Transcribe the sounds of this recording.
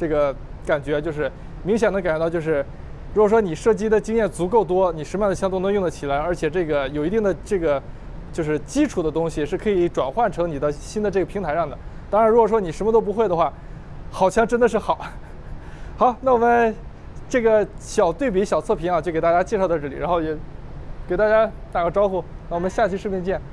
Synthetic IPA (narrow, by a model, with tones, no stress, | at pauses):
ʈ͡ʂɤ˥˩ɡə˩ | ka˨˩nt͡ɕɥɛ˧˥t͡ɕjo˥˧ʊʂɻ̩˥˩ | mi˧˥ŋɕ̬jɛ˨˩nɤ˧˥ŋka˨˩nɻt͡ɕjʊʂɻ̩˥˩ | ɻu˧˥kwɔ˨˩ʂwɔ˥ni˨˩ʂɤ˥˩t͡ɕi˥d̪ə˨t͡ɕi˥ŋjɛ˥˩nt͡su˧˥ko˥˩ʊt̪wɔ˥ni˨˩ʂɻ̩˧˥ma˥˩nd̪ə˩ɕjɑ˥t̪nɤ˧˥ŋjʊ˥˩ŋd̪ə˩t͡ɕʰi˨˩la˧˥ɪə˞˧˥t͡ɕʰjɛ˨˩ʈ͡ʂɤ˥˩ɡə˩jo˨˩ʊi˧˥i˥˩ŋd̪ə˩ʈ͡ʂɤ˥˩ɡə˩ | t͡ɕjʊʂɻ̩˥˩t͡ɕi˥ʈ͡ʂʰu˨˩d̪ə˦t̪ʊ˥ŋɕi˨ʂɻ̩˥˩kʰɤ˧˥i˧˥ʈ͡ʂwa˨˩nxwa˥˩nʈ͡ʂʰɤ˧˥ŋni˨˩d̪ə˦ɕi˥nd̪ə˨˧ʈ͡ʂɤ˥˩ɡə˩pʰi˧˥ŋt̪ʰɪʂɑ˥˩ŋd̪ə˩t̪ɑ˥ŋɻa˧˥nɻkwɔ˨˩ʂ̬wɔ˥ni˨˩ʂə˧˥mə˧t̪o˥ʊp̬u˧˥xwe˥˩ɪd̪ə˩xwa˥˩ | xɑ˨˩ʊt͡ɕʰjɑ˥ŋʈ͡ʂə˥nd̪ə˨˧ʂ̬ɻ̩˥˩xɑ˨˩˦ʊ | xɑ˨˧˥ʊna˥˩wɔ˨˩mə˦n | ʈ͡ʂɤ˥˩ɡə˩ɕjɑ˨˩ʊt̪we˥˩ɪp̬i˧˥ɕjɑ˨˩ʊt͡sʰɤ˥˩pʰi˧˥ŋa˧˩t͡ɕo˥˩ʊke˨˩t̪a˥˧˩t͡ɕja˥t͡ɕjɛ˥˧ʂ̬t̪ʰʈ͡ʂ̩˥˩lḭ˨˩ɻa˧˥xo˥˩ʊjɛ˧˥ke˨˩ɪt̪a˥˧˩t͡ɕja˥t̪a˨˩ɡə˦ʈ͡ʂɑ˥ʊxu˥˩na˥˩wɔ˨˩mə˦nɕja˥˧t͡ɕʰi˥˧ʂ̩˥˧pjɛ˥˧nt͡ɕjɛ˥˩n